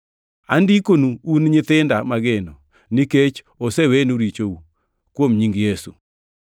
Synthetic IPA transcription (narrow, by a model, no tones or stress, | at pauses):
a̰ndikonuunɲɪt̪ɪndamaɡenɔ | niket͡ʃ | osewenuɾit͡ʃou | kwomɲiŋɡjesṵ